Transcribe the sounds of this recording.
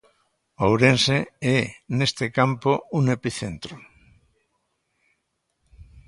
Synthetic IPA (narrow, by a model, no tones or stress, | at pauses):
owɾenseenest̪ekampouŋepiθent̪ɾo